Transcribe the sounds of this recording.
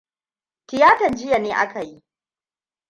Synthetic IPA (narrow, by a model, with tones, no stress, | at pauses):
tɪ˨jaː˦tɐ˨nd͡ʒɪ˦ja˨neː˦ʔa̰˦ka˨ji˦